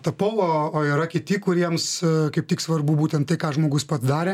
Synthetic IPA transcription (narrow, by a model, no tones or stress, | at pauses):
t̪ɐpolˠooːiɾɐkʲɪt̪ʲɪkʊɾʲiɛmskɐɪp̚t̪ʲiːksʋɐrbubuːt̪ʲɛnt̪t̪ɐɪkɑːʒmoːɡʊspɐt̪d̪ɑːɾʲeː